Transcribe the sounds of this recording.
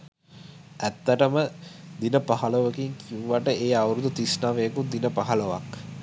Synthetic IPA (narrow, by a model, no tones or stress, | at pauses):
æt̪ːəʈəməd̪inəpaɦɐləʋəkiŋkʰiuʋaʈəʔeːawɾud̪ut̪isnaʋeəkud̪inəpaɦɐləʋa̰k